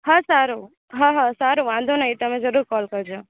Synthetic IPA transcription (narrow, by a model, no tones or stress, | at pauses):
ɦãsaɾu | ɦãɦãsaːɾuʋãnd̪ʱonɐɦit̪ɐmẽd͡ʒɐɾuːɾkɔːlkəɾd͡ʒoː